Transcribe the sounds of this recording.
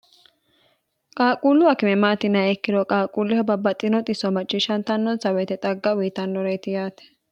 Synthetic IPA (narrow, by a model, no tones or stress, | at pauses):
kʼaːkʼuːlːʊɐkɪmɛmaːt̪ɪnɐɛkːɪd̪ɔkʼaːkʼuːlːɪhɔbɐbːɐt̪ʼːɪnɔt̪ʼɪsɔmɐt͡ʃʼːɪʃɐnt̪ɐnːɔnsɐwɛt̪ɛt̪ʼɐɡːɐwiːt̪ɐnːɔɾɛjt̪ɪjaːt̪ɛ̥